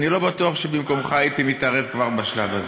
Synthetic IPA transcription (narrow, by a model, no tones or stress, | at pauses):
nilo̞batuaχʃebimko̞mχaait̪imit̪aʁe̞vkvaʁbaʃlavaz